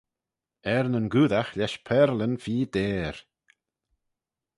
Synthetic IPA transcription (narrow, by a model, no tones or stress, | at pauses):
ɛɾnənɡuːðaxlɛʃpʰɛɾlənfiːd̪eːɾ